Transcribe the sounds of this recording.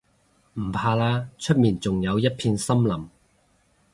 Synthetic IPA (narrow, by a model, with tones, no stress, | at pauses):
m̩˨˩pʰaː˧laː˥t͡ʃʰɵ˥t̚miː˨˩nt͡sʊ˨ŋjɐ˨˧wjɐ˥t̚pʰiː˧nsɐ˥mlɐ˨˩m